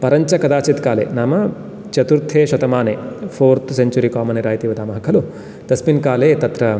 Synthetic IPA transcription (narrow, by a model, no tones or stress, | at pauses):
pɐɾɐɲt͡ʃɐkɐd̪aːt͡ʃit̪kaːlḛːnaːmɐ | t͡ʃɐt̪uɾt̪ʰeːʃɐt̪ɐmaːneːpʰoːɾt̪seɲt͡ʃuɾikaːmɐneɾaːjt̪iːʋɐd̪aːmɐɦɐkʰɐlu | t̪ɐsminkaːleːt̪ɐt̪ɾɐ